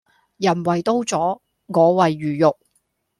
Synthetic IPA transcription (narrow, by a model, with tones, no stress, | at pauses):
jɐ˨˩nwɐ˨˩jt̪o˥wt͡sɔː˨˥ | ŋɔː˨˧wɐ˨jːyː˨˩jʊ˨k̚